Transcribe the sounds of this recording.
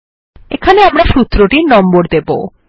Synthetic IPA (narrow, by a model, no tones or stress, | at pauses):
ekʰaneamɾaʃut̪ːɾoʈiɾnɔmboɾd̪ebo̰